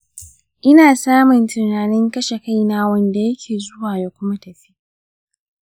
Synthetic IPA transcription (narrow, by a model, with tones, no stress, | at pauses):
ʔɪ˦naː˨saː˦mʊ˨ntʊ˨naː˨nɪ˦ŋkɐ˦ʃe˨ka˦jnaː˦wɐ˦˨nda˨jɐ˦kʲʰeː˨zʊ˦waː˨ja˦kʷʊ˦ma˦tɐ˨ɸi̥˦ʔ